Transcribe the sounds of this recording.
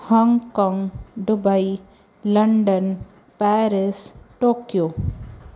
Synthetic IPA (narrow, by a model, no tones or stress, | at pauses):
hɔ̃ŋɡkɔːŋɡɖʊbai | lɐɳɖən | pɛːɾɪsʈoːkjoː